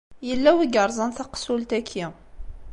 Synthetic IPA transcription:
jəlːæwiɡəɾˤzˤənθɑqsult̪ækʰːi

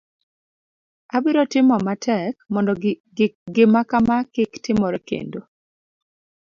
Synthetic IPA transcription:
abɪɾɔtɪmɔmatʰɛk̚mɔndɔ | ɡɪmakamakɪktɪmɔɾɛkḛndo

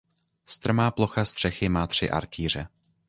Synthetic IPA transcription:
st̪r̩maːplo̞xast̪r̝̥ɛxɪmaːt̪r̝̥ɪ̰ʔa̰ɾkiːr̝ɛ

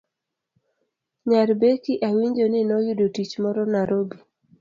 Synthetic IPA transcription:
ɲaɾbekiʔawiɲd͡ʒonɪnɔjʊdotit͡ʃmɔɾɔnaɾobi

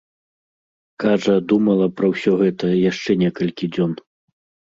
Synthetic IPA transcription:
kaʐɐd̪umɐlˠɐpɾɐwsʲɔɣɛt̪ɐjaʂt͡ʂɛnʲɛkɐlʲkʲid͡zʲɔn

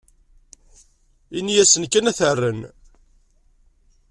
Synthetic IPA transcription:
inijæsənkːənæθərːən

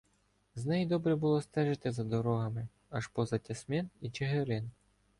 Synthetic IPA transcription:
znɛjid̪ɔbɾɛbʊlˠɔst̪ɛʒɪt̪ɪzɐd̪ɔɾɔɦɐmɪ | ɐʃpɔzɐtʲɐsmʲinit͡ʃeɦeɾɪn

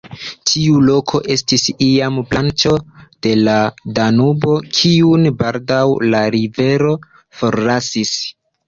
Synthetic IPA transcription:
tʰiulo̞kʰo̞ʔe̞stisiamblant͡ʃo̞d̥e̞ladanubo̞kʰiunbaldawlaɾive̞ɾo̞ | fo̞ɾlasis

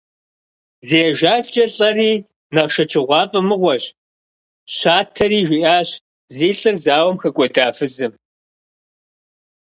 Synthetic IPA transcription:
zeːʒaːt͡ʃʼɐɬʼɐriː | nɐʁʃɐt͡ʃʰʼɪʁʷɑːpʼɐmɨʁʷɔɕ | ɕaːtʰɐriːʒʷiːʔaːɕ | ziːɬʼɨrzaːwɐmxɐkʷʼɔdaːfɨzɨm

